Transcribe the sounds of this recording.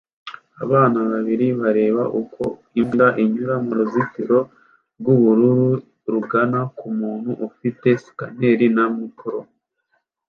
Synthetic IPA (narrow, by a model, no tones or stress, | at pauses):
a̰βaːnaβaβiɾiβaɾe̞ːβaʔukʰo̞ | imɡaʔiɲuɾamuɾuzikiɾo̞ | ɾɡuβuɾuɾu | ɾuɡanakumuːnhuʔufite̞si̥ka̰ne̞ɾinamupuɾo